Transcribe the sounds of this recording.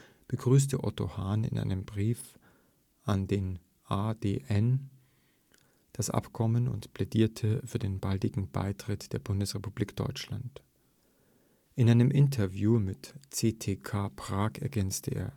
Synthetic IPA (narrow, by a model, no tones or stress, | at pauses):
b̥əɡʁyːs̬təʔɔ̰to̰haːnɪ̰nʔa̰ɪnəmbʁiːf | ʔandeːn | ʔaːdḛːʔɛn | d̥asʔa̰pkʰɔmənʊ̰ntpl̥ediːɐtʰəfyːɐdeːnbaldɪɡŋ̩b̥a̰ɪtʁ̥ɪtd̥eːɐbʊndəsʁepub̥liːkd̥ɔ̰ʏt͡ʃlant | ʔɪnʔaɪnəmʔɪntʰɐvjuːmɪtt͡seːtʰeːkʰaːpʁ̥aːkɛɐɡɛnt͡stʰəʔḛːɐ